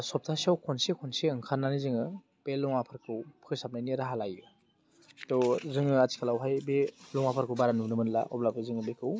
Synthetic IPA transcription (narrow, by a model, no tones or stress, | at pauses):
sɔp̚tʰasiawkʰɔnsekʰɔnseɯŋkʰanːanizɯŋɯ | b̥elɔŋapʰaɾkʰɯwpʰkʰɯsap̚najniɾaɦalajɯ | tɔzɯŋɯatʰi̥kʰalawɦajbelɔŋapʰaɾkʰɯwbaɾanunɯmɯnla̰ʔɔblabɯzɯŋɯbekʰɯw